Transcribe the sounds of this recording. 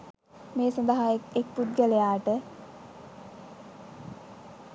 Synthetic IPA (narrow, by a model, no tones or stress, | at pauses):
meːsand̪əɦaekek̚pud̪̚ɡələjaːʈə